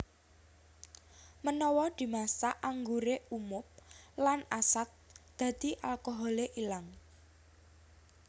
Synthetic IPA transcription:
mənɔwɔd̪̥i̤masaʔaŋɡuɾeumʊp̚lanasat̪̚d̪̥ä̤d̪̥i̤ʔalkɔɦɔleʔilaŋ

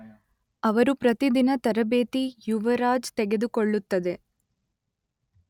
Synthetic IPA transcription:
ɐʋɐɾupɾɐt̪id̪inɐt̪ɐɾɐbeːt̪ijuʋɐɾaːd͡ʒt̪ɛɡed̪ukoɭːut̪ːɐd̪e̞

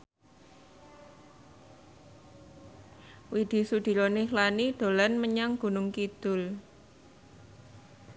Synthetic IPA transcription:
wid̪̥i̤sud̪̥i̤lonɪhlanid̪̥o̤lanməɲaŋɡ̥ṳnʊŋkid̪̥ʊ̤l

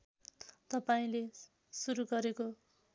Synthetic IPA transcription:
t̪ʌpaĩle | suɾuɡʌɾeko

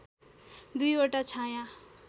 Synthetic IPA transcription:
d̪ujoʈat͡sʰãjã

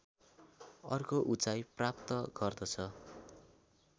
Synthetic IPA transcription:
ʌrkoʔut͡sajprap̚t̪ʌɡʌrd̪ʌt͡sʰʌ

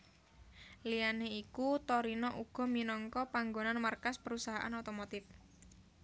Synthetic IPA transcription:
lijaneikut̪ɔɾinɔʔuɡ̥ɔ̤minɔŋkɔpaŋɡonanmarkaspəɾusaɦaʔa̰not̪omot̪ɪf

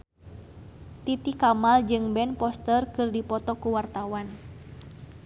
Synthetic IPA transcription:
t̪it̪ikamald͡ʒɨŋbɛnpɔst̪ərkɨrdipɔt̪ɔkuwart̪awan

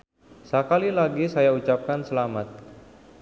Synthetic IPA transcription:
sakalilaɡisajaut͡ʃap̚kansəlamat̪̚

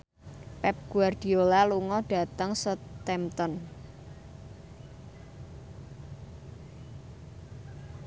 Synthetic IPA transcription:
pɛp̚ɡ̥uard̪̥iolaluŋɔɖ̥a̤t̪əŋsət̪ɛmt̪ɔn

